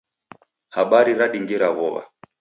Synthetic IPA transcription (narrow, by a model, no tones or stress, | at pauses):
haɓaɾiɾaɗiŋɡiɾaɣɔβa̰